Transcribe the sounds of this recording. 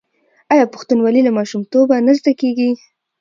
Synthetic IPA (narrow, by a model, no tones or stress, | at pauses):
ɑjɑpʊxt̪unwalilamɑʃumt̪obanazd̪akeɡi